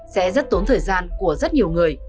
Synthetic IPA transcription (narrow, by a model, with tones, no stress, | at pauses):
sɛ̰˧˥zə˦˥t̚t̪o˨˦nt̪ʰəː˨˩jzaː˧nku˧˩əzə˦˥t̚ɲi˨˩əwŋɨ˨˩əj